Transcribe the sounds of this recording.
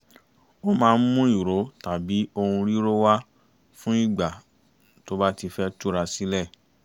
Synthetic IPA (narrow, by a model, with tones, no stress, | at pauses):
o˦mãː˨˧n̩˦mũ˦i˦˨ɾo˨˦ta˨bi˨˦o˧hũ˧ɾi˦ɾo˦wa˦ | fũ˦i˦˨ɡ͡ba˨ | to˦ba˦ti˧fɛ˦tu˦ɾa˧si˦lɛ˦˨